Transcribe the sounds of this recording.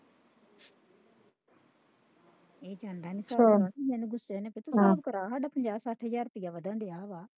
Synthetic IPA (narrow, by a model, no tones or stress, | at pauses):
eːd͡ʒãːnd̪aːniːsaːaijaneɡʊseːnẽpet̪usaːbkəɾaːɦaɖaːpəɲd͡ʒaːsaʈʰɦəzaːɾʊpɪjaːʋəd̪ə̃ːɳɖeaːʋaː